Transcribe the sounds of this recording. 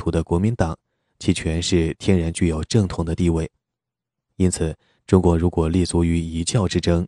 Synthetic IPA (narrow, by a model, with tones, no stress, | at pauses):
t̪ʰu˧˥d̪ə˧kwɔ˧˥mi˧˥nt̪ɑ˨˩˦ŋ | t͡ɕʰi˧˥˩t͡ɕʰɥɛ˧˥nʂɻ̩˥˧t̪ʰjɛ˥nɻa˧˥nt͡ɕy˥˩jo˨˩ʊʈ͡ʂɤ˥˩ŋt̪ʰʊ˧˥ŋd̪ə˧t̪i˥˧we˥˩ɪ | i˥nt͡sʰɹ̩˨˩˦ | ʈ͡ʂʊ˥ŋkwɔ˧˥ŋɻu˧˥kwɔ˨˩li˥˩t͡su˧˥y˧˥i˧˥t͡ɕjɑ˥˩ʊʈ͡ʂɻ̩˥ʈ͡ʂɤ˥ŋ